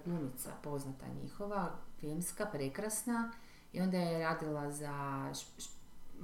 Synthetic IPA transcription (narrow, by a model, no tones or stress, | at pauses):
ɡunit̪sa̰po̞znat̪a̰ɲḭxoʋafilmskapɾekɾasna | io̞nd̪ajeɾaːd̪ilaza